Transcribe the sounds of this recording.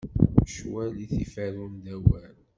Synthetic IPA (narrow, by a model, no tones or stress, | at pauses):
ʃwæliθḭfæɾumd̪æwæn